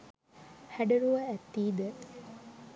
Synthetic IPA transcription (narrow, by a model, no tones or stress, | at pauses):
hæɖəɾuʋɐæt̪ːiːd̪ə